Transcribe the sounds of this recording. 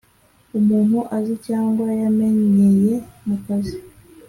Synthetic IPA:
umunuʔazit͡ʃaŋɡwajamɛɲɲɛjɛnakazi

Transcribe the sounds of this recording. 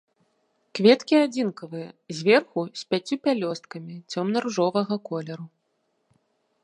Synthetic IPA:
kvʲɛt̪kʲiad͡zʲinkɐvɨjɐzʲvʲɛrxusʲpʲat͡sʲːupʲalʲɔst̪̚kɐmʲit͡sʲɔmnɐruʐɔvɐɣɐkɔlʲɛɾu

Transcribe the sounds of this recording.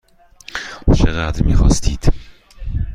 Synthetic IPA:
ut͡ʃʰeɣæd̪ɾmḭxɒ̰ːst̪ʰiːd̪̥

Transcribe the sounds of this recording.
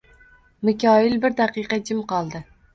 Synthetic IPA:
mɪkʲɑjɪlbɪɾd̪æqɨjqɑd͡ʒɪmqɑlˠd̪ɨ

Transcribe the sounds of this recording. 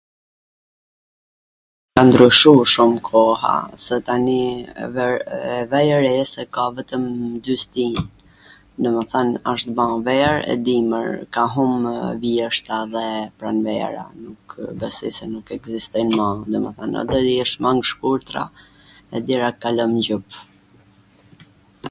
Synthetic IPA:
kand̪ɾyʃuʃumkʰɔha̰sɛt̪ani | ɛvɛjəɾɛsɛkavɛt̪əmd̪yst̪in | d̪əməθanaʃt̪bãvɛɾɛ̰d̪imə̰ɾkaɦumvjɛʃt̪aðɛpɾanvɛ̰ɾa̰nukbɛsḭsɛnukɛɡzist̪ɔjnmãd̪əmɛ̰θana̰d̪ɔjɛʃmaŋɡʃkuɾt̪ɾa̰ | ɛd̪jɛɾakalɔmɟup

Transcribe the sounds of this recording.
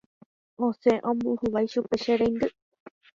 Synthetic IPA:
õseʔõmbuhuʋajʃupeʃeɾejnd̪ɨ

